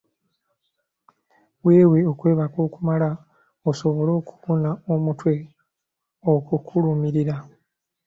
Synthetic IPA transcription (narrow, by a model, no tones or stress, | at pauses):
weːweo̞kwe̞ːβakoːkumala | oso̞βo̞lo̞ːku̥βunao̞mutwe̞ | okukʰulumiɾiɾa